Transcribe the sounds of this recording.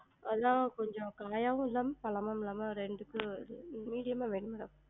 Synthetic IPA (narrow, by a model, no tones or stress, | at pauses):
ɐðãːkɔɲd͡ʒɔ̃kaːjaːʋʊ̃ɪlːaːmɐpɐɭɐmaːmɪlːaːmɐɾɛɳɖɯkːɯɯmiːɽɪjɐmaːʋeːɳɯmɪɾɐː